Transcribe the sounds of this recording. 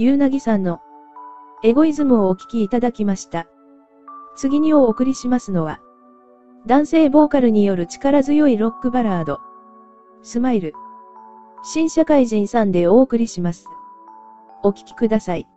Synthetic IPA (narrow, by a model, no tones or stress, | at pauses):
jɯːnaɡʲisãnːo̞ | e̞ɡo̞izɨmɯ̟o̞ːkʲi̥kʲiːt̪ad̪akʲimaɕi̥t̪a | t͡sɨɡʲiɲ̟io̞ːkɯ̟ɾʲiɕimasɨno̞βa | d̪ãɰ̃se̞ːbo̞ːkaɾɯ̟ɲ̟ijo̞ɾɯ̟t͡ɕi̥kaɾazɨjo̞iɾo̞kːɯ̟baɾaːd̪o̞ | sɨmaiɾɯ̟ | ɕĩɰ̃ɕakaiʑĩɰ̃sãnd̪e̞o̞ːkɯ̟ɾʲiɕimasɨ̥ | o̞kʲi̥kʲi̥kɯ̟d̪asai